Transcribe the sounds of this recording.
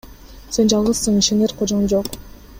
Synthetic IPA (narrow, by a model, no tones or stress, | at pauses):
send͡ʒɑlˠʁɯz̥sːɯŋiʃeneɾqʰod͡ʒʁɯnd͡ʒoq